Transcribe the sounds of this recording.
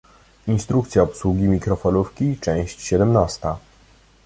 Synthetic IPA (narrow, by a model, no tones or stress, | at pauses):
inst̪ɾukt̪sʲjaɔpswuɡʲimʲikɾɔfɔnufkʲit͡ʂɛ̃w̃ɕt͡ɕɕɛd̪ɛmnast̪a